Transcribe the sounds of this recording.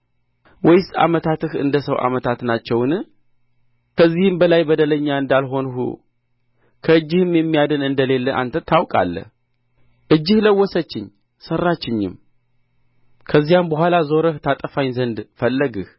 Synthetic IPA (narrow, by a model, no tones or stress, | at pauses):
wɔjsa̰mət̪ʰat̪ɨhɨ̰nd̪əsəwʔa̰mət̪ʰat̪nat͡ʃːɛwnɨ | kʰəzːihɨmbəlajbəd̪ələɲːaɨnd̪alɦo̞nɦṵ | kʰəɨd͡ʒːɪhɨmjɛmːijad̪ɨnɨnd̪əle̞lːəʔa̰nt̪ʰət̪ʰːawkʼa̰lːə̰h | ʔɨd͡ʒːɪhləwːɔsət͡ʃːɪɲ | sərːat͡ʃːɪɲːɪ̰m | kʰəzːijambəɦʷalazo̞ɾəht̪ʰat̪ʼəfaɲzənd̪fəlːəɡɨh